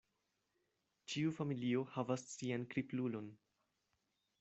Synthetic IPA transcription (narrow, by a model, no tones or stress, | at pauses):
t͡ʃiufamilio̞havassiankɾiplulo̞n